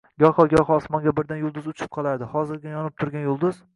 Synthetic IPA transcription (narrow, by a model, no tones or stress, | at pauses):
ɡʲɒχɒɡʲɒχɒːsmɒnɡʲabɪɾd̪anjʊlˠd̪ʊzʊt͡ʃʰɪ̥p̚qʰɒlˠaɾd̪ɪhɒzɪɾɡʲajɒnɪp̚t̪ʰʊɾɡʲanjʊlˠd̪ʊz